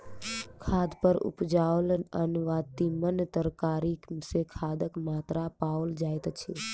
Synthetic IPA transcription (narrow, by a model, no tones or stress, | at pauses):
kʰad̪pəɾṵpd͡ʒaolənʋat̪imənt̪əɾkaɾiksekʰad̪əkmat̪ɾapaold͡ʒajt̪t͡ʃʰi